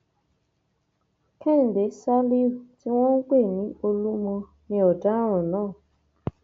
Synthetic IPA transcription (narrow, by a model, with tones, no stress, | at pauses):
kʰɛ˦˨n̩˨de˨˦sa˦li˦u˨ti˦wɔ̃˦ŋ̩˦k͡pe˦˨nĩ˦o˦lu˦mɔ˧ | nĩ˦ɔ˨da˦ɾ̃ʊ̃˨nɔ̃ː˦˨